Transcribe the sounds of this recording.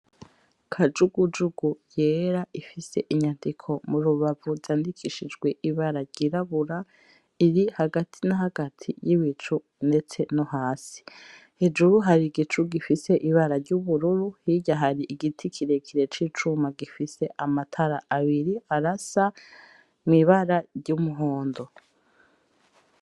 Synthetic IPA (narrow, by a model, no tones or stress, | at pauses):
kʰad͡ʒuɡud͡ʒuɡ̥uje̞ːɾaʔifise̞ʔiɲandikʰo̞muɾuβavuzzaːndikʰiʃid͡ʒɡwe̞ʔiβaɾaɾɟiɾaβuɾa | iɾihaɡatʰinaɦaɡatʰḭjiβit͡ʃu | nde̞t͡se̞noɦaːsi̥ | hed͡ʒuɾuɦaɾiɡit͡ʃuɡifise̞ʔiβaɾaɾɟuβuɾuɾuhiɟaɦaɾiʔiɡitʰikʰiɾe̞kʰiɾe̞t͡ʃiːt͡ʃumaɡifise̞ʔamatʰaɾaʔaβiɾiaɾasa | mŋiβaɾaɾɟumuɦoːndo̞